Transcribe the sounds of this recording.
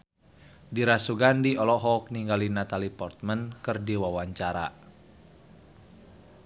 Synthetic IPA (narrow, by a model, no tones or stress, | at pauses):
diɾasuɡandiɔlɔɦɔk̚niŋɡalinat̪alipɔrt̪̚mənkɨrdiwawaɲt͡ʃaɾa̰